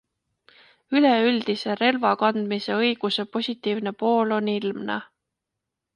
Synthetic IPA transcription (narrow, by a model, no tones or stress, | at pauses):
yleyld̪̥ise̞ɾe̞lvɑkɑnd̪̥mise̞ɤ̞jɡ̥use̞po̞sʲit̪ːˑiːvne̞po̞ːlo̞nilmnɑ̰